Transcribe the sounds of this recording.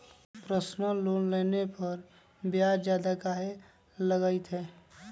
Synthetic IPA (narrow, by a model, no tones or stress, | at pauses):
pɾəsnəloːnleːnepəɾ | bjaɾd͡ʒjaːd̪akaːe | ləɡəit̪ɦɛː